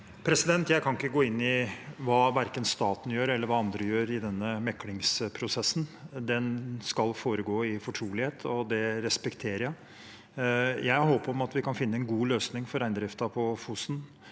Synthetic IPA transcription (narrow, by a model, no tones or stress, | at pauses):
pʰɾɛsɪd̪ɛnt̪jæɪkʰɑnɪkːəɡoːɪnːɪʋɑːʋæɾkənst̪ɑːt̪n̩jøːɾɛlːəɾʋɑːɑnd̪ɾəjøːɾɪd̪ɛnːəmɛkːlɪŋspʰɾʊsɛsːnd̪ɛnskɑlfoːɾəɡoːɪfɔʈʰɾuːlɪheːt̪ʰɔd̪ɛɾɛspɛkt̪ʰeːɾəjæɪ | jæɪɦoːpɔmɑt̪ʋɪkʰɑnfɪnːəɛnɡuːløːsnɪŋfɔɾæɪnd̪ɾɪft̪ɑpʰɔfusn